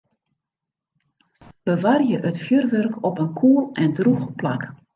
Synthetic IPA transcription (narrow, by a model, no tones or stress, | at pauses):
b̥əʋarjəʔətfjørʋørkʰɔpənkʰuəlˠɛndruxplak